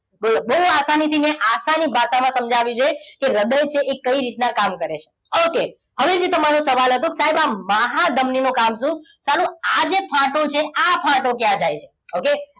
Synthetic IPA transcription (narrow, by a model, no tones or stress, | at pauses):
bəbəɦuasanit̪ʰineʔasanibʱaʃamãsəmd͡ʒʱaʋit͡ʃʰekeɾəd̪əjt͡ʃʰeʔekəiɾit̪nakamkəɾet͡ʃʰe̥ | oke | ɦəʋed͡ʒit̪əmaɾõsəʋalɦət̪õkesaɦebamaɦad̪ʱəmninõkamʃũ | salũad͡ʒepʰãʈot͡ʃʰeʔapʰãʈokjãd͡ʒajt͡ʃʰe | oke